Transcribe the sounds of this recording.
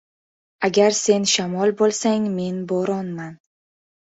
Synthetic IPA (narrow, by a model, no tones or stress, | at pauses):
aɡʲaɾse̞nʃamɒlˠbolˠsaŋme̞nbɒɾɒnman